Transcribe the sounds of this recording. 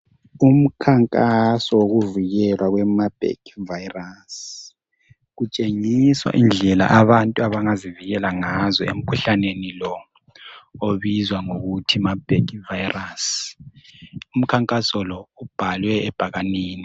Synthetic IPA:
um̩kʰaŋkʼasɔwoɣuviɣɛlwaɣwɛmab̥ʱḛkʰvajras | ɣut͡ʃʼeŋiswa̰ʔind͡ɮʱɛla̰ʔaβantʼuaβaŋaziviɣɛlaŋazɔḛm̩kʰuɬanenilɔ | oβizwaŋoɣutʰimab̥ʱekʰivajiras | um̩kʰaŋkʼasɔlɔub̥ʱalwɛːb̥ʱaɣaniːni

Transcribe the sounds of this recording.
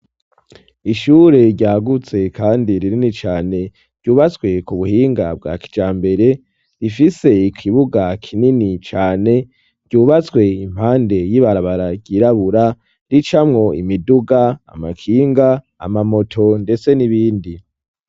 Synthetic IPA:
iʃuːɾe̞ɟaːɡut͡se̞kʰaːndiɾininit͡ʃaːne̞ | ɾ̥ɟ̥uːβat͡skwe̞kuβuhiːŋɡa̰b̚ɡa̰ːki̥d͡ʒaːmbe̞ɾe̞ | ifise̞ikʰiβuɡakʰininit͡ʃaːne̞̥ | ɟ̥uːβat͡skwe̞im̥haːnde̞jiβaɾaβaɾaɟiɾaβuɾa | ɾit͡ʃamŋo̞imiduɡaa̰makʰiːŋɡa̰ː | mamo̞tʰo̞nde̞t͡se̞niβiːndi

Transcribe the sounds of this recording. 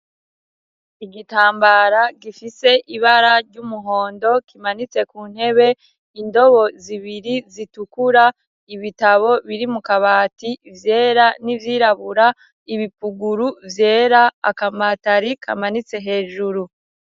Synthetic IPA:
iɡitaːmbaɾaɡifise̞ʔiβaɾaɾɟumuɦo̞ːndo̞kimanit͡se̞kuːn̥he̞βe̞ | indo̞βo̞ziβiɾizitukuɾa | iβitaβo̞βiɾimukaβaːtivje̞ːɾanivjiːɾaβuɾa | iβipuɡuɾuvje̞ːɾa̰ːkamataɾikʰa̰manit͡se̞ɦe̞ːʒuɾu

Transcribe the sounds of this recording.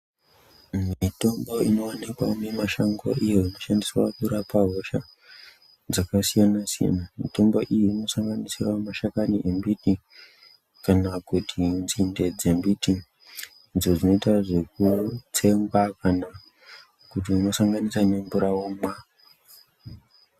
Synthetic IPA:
mito̞mbo̞ino̞ːnekwanemaʃaŋɡo̰ijoino̞ʃandiswa̰kuɾapaɦo̞ʃa | d͡zakasijanasija̰namito̞mbo̞ʔijino̞saŋɡanisiramaʃakaniʔembiti | kanakutʰinzinde̞d͡zembiti | nzod͡zino̞itaʐe̞k̚ut͡sʰe̞ŋɡwakana | kutiuno̞saŋɡanisane̞ɱbuɾawomwa

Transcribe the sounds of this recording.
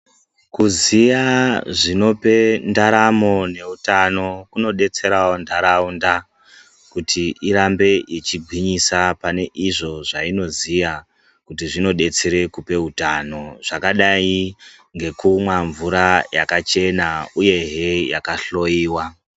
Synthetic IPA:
kuzijaʐino̞pe̞ndaɾamo̞ne̞utano̞kuno̞ɗe̞t͡se̞ɾawondaɾaunda | kutʰiiɾambe̞et͡ʃiɡʱwiɲisapane̞ʔiʐo̞ʐaino̞zija | kutiʐino̞ɗe̞t͡seɾe̞kupe̞utano̞ʐ̥akaɗai | ŋɡe̞kumwaɱvuɾajakat͡ʃe̞nauje̞ɦejakaɬo̞jiːwa

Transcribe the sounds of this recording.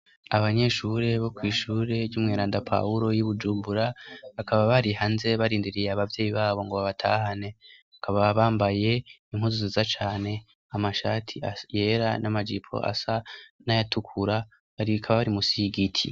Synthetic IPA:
aβaɲe̞ʃuːɾe̞βo̞kwiːʃuːɾe̞ɾɟuːmŋeːɾaːndapʰa̰uɾo̞jiβud͡ʒuːmbuɾaβakʰaβaβaɾihaːnze̞βaɾiːndiɾijeaβavjeːjiβaːβo̞ŋɡoβaβatʰa̰ɦane̞βakʰaβaβaːmbaje̞ | im̥huzuzizat͡ʃaːne̞ | amaʃaːtʰiaje̞ɾanamad͡ʒipʰo̰ʔa̰sanajatʰukʰuɾa | aɾikʰaβaβaɾimusiɡitʰḭ

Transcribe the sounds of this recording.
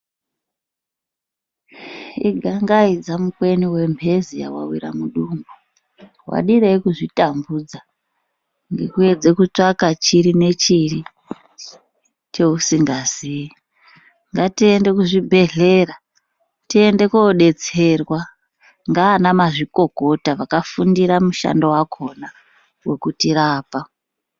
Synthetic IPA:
ḭɡʱaŋɡaid͡zamukwe̞niwe̞mbʱe̞zija̰wa̰wiɾa̰muɗumɡu | wa̰ɗiɾeikuʐitambud͡za | ŋɡḛkue̞d͡ze̞kut͡ʂakat͡ʃiɾine̞t͡ʃiri | t͡ʃe̞usiŋɡazii | ŋɡatiende̞kuʐibʱe̞ɮe̞ra | tie̞nde̞koɗe̞t͡se̞rwa | ŋɡaːnamaʐiko̞ko̞taʋakafundiɾamuʃa̰ndo̞wakʰo̞na | we̞kutiraːpa

